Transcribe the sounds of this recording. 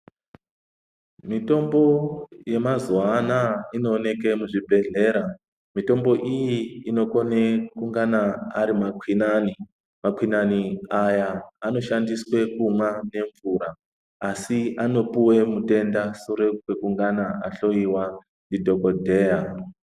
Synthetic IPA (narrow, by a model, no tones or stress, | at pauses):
mito̞mbo̞je̞mazwanaino̞ːne̞ke̞muʐibʱe̞ɮe̞ɾa | mito̞mbo̞ʔijiːno̞kone̞kuŋɡanaaɾimakwinani | makwinaniajaːno̞ʃandiswe̞kumwane̞ɱvuɾaː | siano̞puwe̞mute̞ndasuɾekwekuŋɡanaʔaɬo̞iwa | ndidʱo̞ko̞dʱe̞ːja